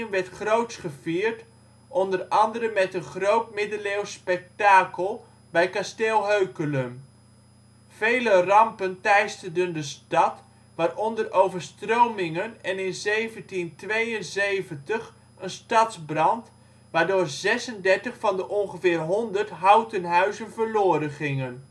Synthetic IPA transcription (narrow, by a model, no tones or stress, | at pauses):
nʋɛɹtχrowtsχəv̥iːɹt | ʔɔndərɑndəɾənmɛtənχrowt̚mɪdəlewspɛk̚taːkəlˠ | bɛjkasteːlˠɦøɥkələm | v̥ejlərɑmpəntɛjstərdəndəstɑt | ʋaːrʔɔndərʔowvəɹstrowmɪŋənɛnɪnzejvəntintʋejənzejvəntəχ | ənstɑtzbrɑnt | ʋaːɹdʊːɹzɛsəndɛɹtəχfɑndəʔɔŋχəvɪːrɦɔndəɹtɦawtənɦœɥzənvəɹloːɾəχɪŋən